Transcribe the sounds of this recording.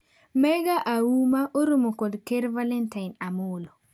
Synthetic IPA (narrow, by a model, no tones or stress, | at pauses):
mɛɡaʔawumaʔoɾumokɔdkeɾvalentaɪnamʊlo